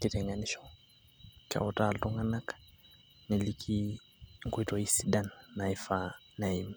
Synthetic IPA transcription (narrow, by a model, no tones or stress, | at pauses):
kitɛŋɡaniʃɔ | ka̰ɔtaltuŋanak | nelikʰi | ŋkwitoisidanːaifa | naini